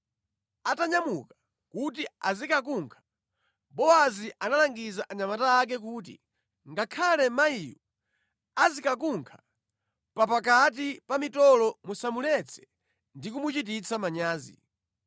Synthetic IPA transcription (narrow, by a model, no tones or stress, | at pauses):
ataɲamuka | kut̬iazikakuŋkʰḁ | bɔaziʔanalaŋɡizaʔaɲamataːk̬ɛk̬uːt̬ḭ | ŋɡakʰalɛmaiju | azikak̬uŋkʰḁ | papak̬at̬ipamitɔlɔmusamulɛt͡sʰɛ̥ | ndik̬umut͡ʃit̬it͡sʰamaɲaːzḭ